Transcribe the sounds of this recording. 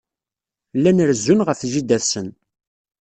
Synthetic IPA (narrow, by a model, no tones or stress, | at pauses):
lːænəɾzːunʁəfʒid̪æsən